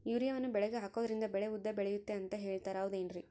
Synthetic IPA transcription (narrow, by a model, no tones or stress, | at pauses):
juːɾijɐʋɐnːubɛɭɛɡeɦaːko̞ːd̪ɐɾind̪ɐbɛɭeud̪ːɐbɛɭejut̪ːe̞ɐnt̪ɐɦe̞ːɭt̪aːɾaːʋud̪eːnɾi